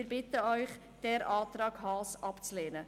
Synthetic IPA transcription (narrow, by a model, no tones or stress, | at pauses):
ɪɾbɪt̪əœʏχ | d̥ɛɾʔɑːt̪ɾɑːkɦɑːsʔɑpt͡sleːnə